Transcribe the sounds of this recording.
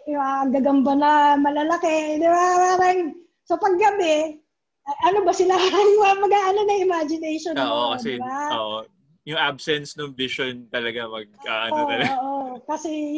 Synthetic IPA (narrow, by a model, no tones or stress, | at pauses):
jʊŋaʔɐɡɐɡɐmbɐnɐmɐlɐlɐkɛd̪ɪbapaːɾɐŋ | sopɐɡːɐbɛ | ʔɐʔɐnobɐsɪlaŋɐmɐɡaʔɐnonɐŋɪmad͡ʒɪnɛjʃonoːʔʔokɐdɛɪbaoʔo | jʊŋʔab̚sɛnsnʊŋvɪʃont̪ɐlɐɡamɐɡ̚a̰ʔɐnʔoɐlɐoʔokɐsɛ